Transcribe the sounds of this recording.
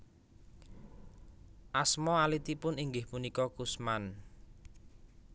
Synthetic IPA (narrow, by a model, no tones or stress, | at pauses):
ʔasmɔalit̪ipʊniŋɡɪhpunikɔkusman